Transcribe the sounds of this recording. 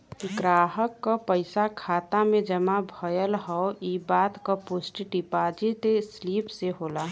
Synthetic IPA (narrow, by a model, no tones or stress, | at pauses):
ɡɾaːɦəkːopəɪsakʰaːt̪amẽd͡ʒəmabʱəjəlɦɔoibaːt̪kapusʈʈipad͡ʒit̪esliːpseɦoːla